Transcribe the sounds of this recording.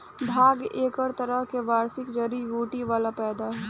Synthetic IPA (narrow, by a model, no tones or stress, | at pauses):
bʱaːɡeːkəɾt̪əɾəɦkeʋaːɾsɪkd͡ʒəɾiʋuːʈiʋaːlapɛːd̪aɦɛ